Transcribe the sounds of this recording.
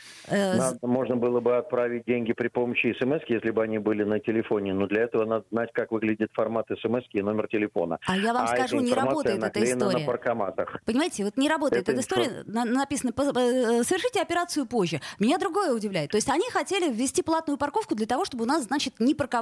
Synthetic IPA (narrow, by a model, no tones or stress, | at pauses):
nad̪əmo̞ʐnəbɨlˠəbɨɐt̪̚pɾavʲɪt̚ʲdʲenʲɡʲɪpɾʲɪpoməɕːɪɪsɛmɛskʲjesʲlʲɪbɨɐnʲibɨlʲɪnətʲɪlʲɪfo̞nʲɪnod̪lʲɐɛt̪əvənad̪əznatʲkakvɨɡlʲɪdʲɪt̪fɐrmat̪ɛsɛmɛskʲɪːno̞mʲɪrtʲɪlʲɪfo̞̰nə̰ajavamskɐʐunʲɪɾɐbot̪ɪt̪ɛk̪əɪssnoɾəɪjəpərkɐmat̪əxpənʲɪmajɪtʲɪvo̞t̪nʲɪɾɐbo̞t̪əɪt̪ɛt̪ɪst̪oɾɪjənnnɐpʲisənəpəsəvʲɪrʂɨtʲɪɐpʲɪɾat̪sɨjʊpo̞ʑːɪmʲɪnʲad̪ɾʊɡo̞jəʊdʲɪvlʲæɪt̪ːoɪsʲtʲɐnʲixɐtʲelʲɪvʲːɪsʲtʲiplˠat̪nʊjʊpɐrko̞fkʊd̪lʲət̪ɐvo̞ʂt̪o̞bɨʊnasznat͡ɕɪt̪nʲɪpərkɐ